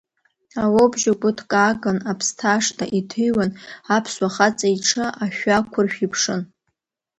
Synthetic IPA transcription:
awobʒaɡʷʼʊtʰkʼaɡanapʰstʰaʂtʰa̰ʔitʰɨjwanapʰswaχat͡sʼaiʈ͡ʂʰɨʔaʃᶣakʷʰʊrʃᶣipʰʂɨn

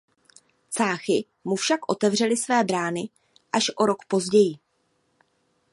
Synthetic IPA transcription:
t͡saːxɪ | mufʃakʔo̞t̪ɛvr̝ɛlɪsvɛːbɾaːnɪ | ʔaʃʔo̞ɾo̞kpo̞zɟɛjɪ

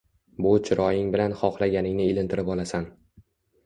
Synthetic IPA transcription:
bʊt͡ʃʰɪɾɒjɪŋbɪlanχɒχlaɡʲanɪŋnɪelɪnt̪ʰɪɾɪpɒlˠasan

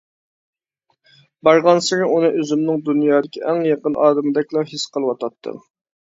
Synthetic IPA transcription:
bɑɾʁɑnsɨɾɪʔunɨʔøzymnɪŋd̪unjɑːd̪ɪkʲʰiʔæŋjɑqənʔɑːd̪ɪmɪd̪ɛkʲlˠɑhisqəlˠɨwɑt̪ʰɑt̪ʰːɨ̰

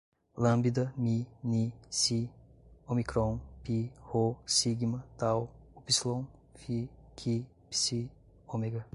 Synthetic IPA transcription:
lambidɐminisi | omikɾɔnpihosiɡimɐtawupislɔŋfʰikʰi | pi̥si | omeɡɐ

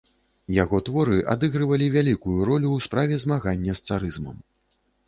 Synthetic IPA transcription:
jaɣɔt̪vɔɾɨʔa̰d̪ɨɣɾɨvɐlʲivʲalʲikujuɾɔlʲuwspɾavʲɛzmaɣanʲːɐst̪saɾɨzmɐ̰m

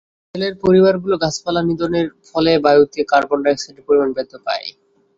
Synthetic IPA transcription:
kʰeleɾpoɾibaɾɡuloɡat͡ɕʰpalanid̪oneɾfɔlebajut̪ikaɾbɔɳɖaesaʈipoɾimanbed̪ʱːopa̰e

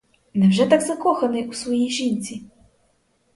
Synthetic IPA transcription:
nɛwʐɛt̪aɡzakɔxɐnɨjusvɔjijʒinʲt͡sʲi

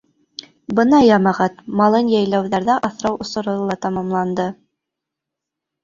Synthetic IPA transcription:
bɤnɑjɑmɑʁɑt̪mɑlˠɤnjæjlæwðæɾðæʔɑθɾɑwŏsŏɾɤlˠɑt̪ɑmɑmlˠɑnd̪ɤ

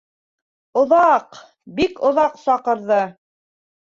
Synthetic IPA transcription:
ŏðɑq | bikŏðɑqsɑqɤ̆ɾðɤ

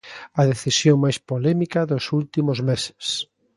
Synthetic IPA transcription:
ɐðeθisjoŋmajspolɛmikɐðosult̪imozmese̥s

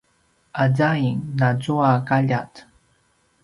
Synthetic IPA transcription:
ʔazaiŋnad͡zuakaʎat

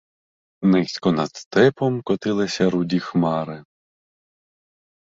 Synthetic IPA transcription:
nɪsʲkɔnɐd̪st̪ɛpɔmkɔt̪ɪlˠɪsʲɐɾudʲixmɑɾɪ

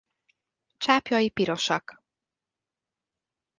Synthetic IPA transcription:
t͡ʃaːpjɒjipiɾo̞ʃɒk

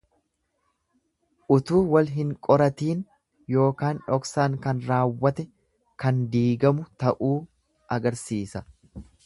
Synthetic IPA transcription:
ʔʊt̪uːwɐlɦɪŋkʼɔɾɐt̪iːn | jo̞ːkaːnᶑɔksaːŋkɐnɾaːwːɐt̪ɛ | kɐnd̪iːɡɐmʊt̪ɐʔuː | ʔɐɡɐɾsiːsɐ

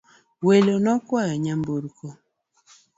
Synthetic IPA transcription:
welonɔkwajɔɲamboɾkʰo

